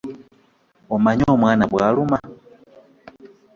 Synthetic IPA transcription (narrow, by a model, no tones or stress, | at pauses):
omaɲoːmwaːnaβwaːluma